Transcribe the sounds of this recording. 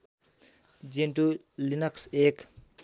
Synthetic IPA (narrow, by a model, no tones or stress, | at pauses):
d͡ʒinʈu | linɐksek